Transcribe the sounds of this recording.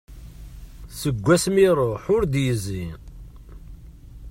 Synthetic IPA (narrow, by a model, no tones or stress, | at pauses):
səɡʷːæsmiɾˤoħʊɾd̪jəzi